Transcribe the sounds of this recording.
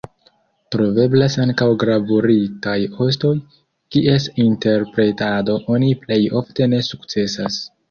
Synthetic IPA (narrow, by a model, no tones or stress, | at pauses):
tɾo̞ve̞blasaŋkawɡɾavuɾitajo̞s̬to̞j | kiʔe̞sinte̞ɾpɾe̞tado̞ʔo̞niple̞jo̞fte̞ne̞sukt͡se̞sa̰s